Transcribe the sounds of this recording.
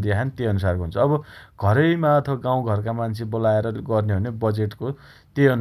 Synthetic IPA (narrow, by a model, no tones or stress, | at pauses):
d̪iakʰanit̪eʌnusarkoɦunt͡sʰʌːbʌɡ̥ʱʌɾʌjmaʌt̪ʰʌbʌɡãw̃ɡʱʌrkamant͡sʰebolaeɾʌɡʌrneɦʌnebʌd͡zeʈko | t̪eʌn